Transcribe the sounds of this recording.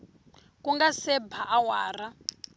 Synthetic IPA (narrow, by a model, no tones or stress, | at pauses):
kuŋɡasɛbʱaʔawa̰ːra